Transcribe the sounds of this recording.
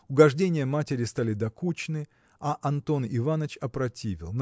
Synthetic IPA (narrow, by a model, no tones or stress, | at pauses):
ʊɡɐʐdʲenʲɪjəmatʲɪɾʲɪst̪alʲɪd̪ɐkut͡ɕɪnɨ | ɐʔɐnt̪o̞nɪvanət͡ɕɐpɾɐtʲivʲɪ̰lˠn